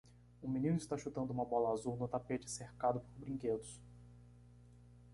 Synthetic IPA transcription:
ʊ̃minĩnʊist̪aʃut̪ɐ̃nd̪ʊũmɐbɔlɐazuwnʊt̪apet͡ʃɪ̥seɾkad̪ʊpoɾbɾĩked̪ʊs

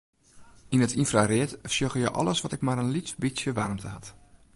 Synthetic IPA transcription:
inətʰinfrarɪətsjoɣəjəʔɔ̰ləsʋɔtɪkmarənlitbisjəʋarmtʰəɦat

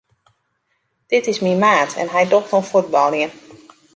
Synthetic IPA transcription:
d̥ɪtɪsmimaːtʰɛ̰nɦɛjdoxtonfud̚bɔlˠjən

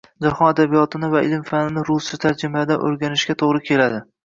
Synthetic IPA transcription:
d͡ʒahɒnad̪abijɒt̪ʰɪnɪvaɪlmfanɪnɪɾʊsɪt̪ʰaɾd͡ʒɪmad̪anʔɵ̰ɾɡʲanɪʃkʲat̪ʰoʁɾɪkʲʰe̞lad̪ɪ

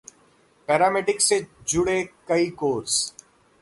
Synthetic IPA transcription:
pɛːɾaːmeːʈɪksed͡ʒʊɽekɐikoːɾs

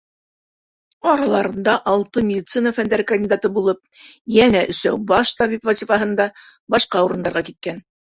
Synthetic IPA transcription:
ɑɾɑlˠɑɾɤ̆nd̪ɑʔɑlˠt̪ɤmʲɪdʲit̪sɨnəfænd̪æɾɘkɐnʲd̪ʲid̪at̪ɤbulˠɤp̚jænæʔɵ̆sæwbɑʃt̪ɑβipvɐsʲifɑɦɤ̆nd̪ɑbɑʃqɑuɾɤ̆nd̪ɑɾʁɑkit̪̚kæn

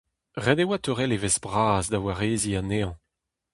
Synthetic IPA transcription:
ʁɛd̪ewat̪øʁɛlevɛzbʁaːzdawaʁeːzianeːɑ̃

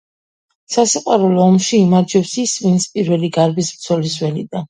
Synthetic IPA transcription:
sasiqʼwaɾulɔːmʃiːmad͡ʒɛpsisvint̪sʰpʼiɾvɛliɡaɾbisbɾt̪sʰɔlizwɛlid̪a

